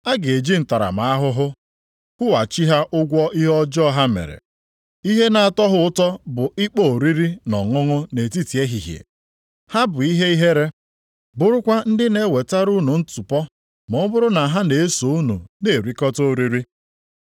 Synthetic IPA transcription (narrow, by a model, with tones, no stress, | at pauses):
a˦ɡe˨d͡ʒi˦n̩˨ta˨ɾa̰˨ma˨a˦ɦʊ˦ɦʊ˦ | kʷʊ˦wa˨t͡ʃi˦ɦa˦ʔʊ˦ɡʷɔ˦i˦ɦɔ˦d͡ʒɔ˦ɦa˦mḛ˨ɾḛ˨ | i˦ɦe˦na˨a˨tɔ˦ɦʊ˦ʊ˦tɔ˦bʊ˨i˦k͡po˦˨o˨ɾi˦ɾi˦nɔ̰˨ŋʊ˦ŋʊ˦ne˨ti˦ti˨e˦ɦi˨ɦjḛ˨ | ha˦bʊ˨i˦ɦe˦i˦ɦe˦ɾe˦ | bʊ˦ɾʊ˦kʷa˦n̩˦dɪ˦ne˦˨we˨ta˦ɾu˦nu˨n̩˦tu˨pɔ˦ | mɔ˨˦bʊ˦ɾʊ˦na˨ɦa˦ne˨e˦so˨u˦nṵ˨ne˨ɾi˨kɔ˦to˦˨ɾi˦ɾi˦